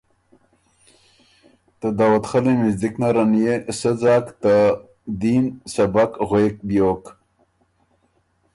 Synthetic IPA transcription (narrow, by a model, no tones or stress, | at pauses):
t̪əd̪aːwat̪χalemizd̪iknaɾanjesəd͡zɑːkt̪a | d̪iːnsabakɣwek̚bijoːk